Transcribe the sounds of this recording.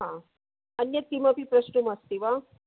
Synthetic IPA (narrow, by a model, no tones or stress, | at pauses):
ɦã | ənjət̪ːimapipɾəɕnumast̪iʋa